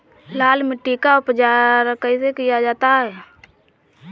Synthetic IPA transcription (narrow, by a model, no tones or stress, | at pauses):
laːlmɪʈːikaʊpt͡ʃaːɾəkəisekijad͡ʒaːt̪aɦɛː